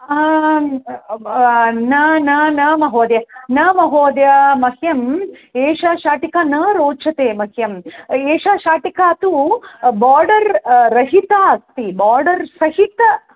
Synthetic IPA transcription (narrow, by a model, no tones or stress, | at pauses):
nɐnɐnɐmɐɦoːd̪jɐnɐmɐɦoːd̪jɐmɐhjɐmeːʃaːʃaːʈikaːnɐɾoːt͡ʃʰɐt̪eːmɐɦjɐmeːʃaːʃaːʈikaːɐt̪ubaːɾɖɐɾːɐɦit̪aɐst̪ibaːɾɖɐɾsɐɦit̪ɐ